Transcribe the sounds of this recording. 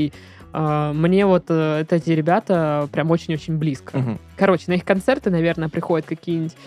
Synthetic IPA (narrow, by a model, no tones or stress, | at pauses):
i | amnʲe̞vo̞t̪əɛt̪ɛt̪ʲɪɾʲɪbʲat̪əpɾʲamo̞t͡ɕɪnʲot͡ɕɪnʲblʲiskəkɐɾo̞t͡ɕɪnəixkɐnt̪sɛrt̪ɨnɐvʲe̞rnəjəpɾʲɪxo̞dʲɪt̪̚kɐkʲijənʲɪtʲ